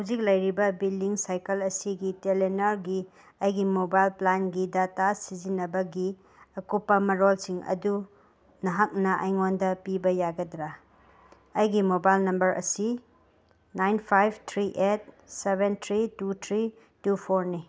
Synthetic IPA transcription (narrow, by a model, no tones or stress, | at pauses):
hwzik̚lɐjɾibɐbildiŋsajkɐlɐsiɡitelenɐɾɡi | ɐjɡimobajlplanɡidatasid͡ʒinːɐbɐɡi | ɐkupːɐmɐɾolsiŋɐ̰du | nɐɦak̚nɐʔɐ̰jŋondɐpibɐjaɡɐdɾa | ɐjɡimobajlnɐmbɐɾʔɐ̰si | najnpʰajbtʰɾiʔet̚ | sebentʰɾitutʰɾi | tupʰoɾni